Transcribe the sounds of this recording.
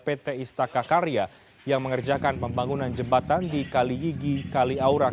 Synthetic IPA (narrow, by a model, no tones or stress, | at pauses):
pet̪eist̪akakaɾija | jaŋməŋərd͡ʒakanpəmbaŋunand͡ʒəbat̪andikalijiɡikaliauɾa